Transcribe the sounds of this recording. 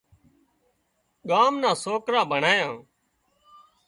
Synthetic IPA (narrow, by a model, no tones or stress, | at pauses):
ɠaːmnãːsoːkɾaːbʱəɳaːjãː